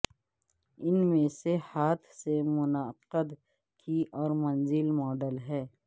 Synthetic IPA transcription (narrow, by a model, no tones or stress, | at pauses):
ɪnmẽsehaːt̪ʰsemʊnaqəd̪ | kʰiʔɔːɾmɐnzɪlmɔːɖəlɦɛː